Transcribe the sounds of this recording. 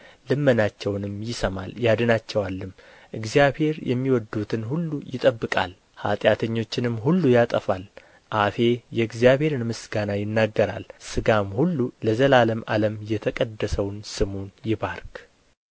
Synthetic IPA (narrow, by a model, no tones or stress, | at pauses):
lɨmːənat͡ʃːɛwnɨmjɪsəmaljad̪ɨnat͡ʃːɛwalːɨm | ʔɨɡzijabhe̞ɾjʔɛ̰mːiwɔd̪ːut̪ʰɨnhulːujɪt̪ʼəbːɨkʼa̰l | ha̰t̪ʼjat̪ʰəɲːo̞t͡ʃːɪnɨmɦulːujat̪ʼəfal | ʔafe̞jɛɨɡzjaβhe̞ɾɨnmɨsɡanajɪnːaɡːəɾa̰lsɨɡamhulːuləzəlaləma̰ləmjɛt̪ʰəkʼəd̪ːəsəwnsɨmunjɪbaɾkʼ